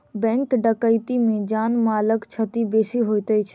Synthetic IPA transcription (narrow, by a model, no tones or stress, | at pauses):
bɛ̃ŋkɖəkəɪt̪imẽd͡ʒaːnmaːləkt͡ʃʰət̪ibeːsiɦojt̪ət͡ʃʰ